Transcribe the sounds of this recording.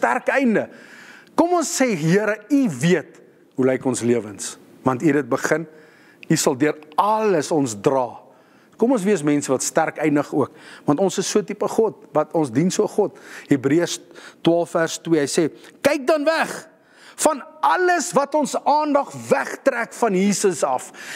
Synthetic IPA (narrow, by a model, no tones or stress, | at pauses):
stærkɛjndəkɔmɔnsːeɦiəɾəiviət | ɦulɛjkɔnsliəvəns | vɐntidət̚bəχən | isɐlˠdyəɾɐləsɔnsdrɑː | kɔmɔnsviəsmɛnsəvɐtstærkəjndəχuəkvɐntɔnsəsːuətipəχɔt̚vɐtɔnsdinsuəχɔtɦibriəstwɑːlˠffærstwiəɦəjseːkɛjk̚dɐnvæχ | fɐnɐləsvɐtɔnsɑːndɐχvæχtrækfɐnjiːsəsɐf